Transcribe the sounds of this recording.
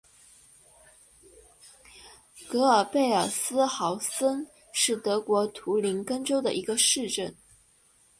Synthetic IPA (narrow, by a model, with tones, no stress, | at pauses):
kɤ˧˥ə˞˨˩pe˥˩ɪə˞˨˩sɹ̩˥xɑ˧˥ʊsə˥n | ʂɻ̩˥˩t̪ɤ˧˥kwɔ˧˥t̪ʰu˧˥li˧˥nkə˥nʈ͡ʂo˥ʊd̪ə̰˨ʔi˧˥ɡə˧ʂɻ̩˥˧ʈ͡ʂə˥˩n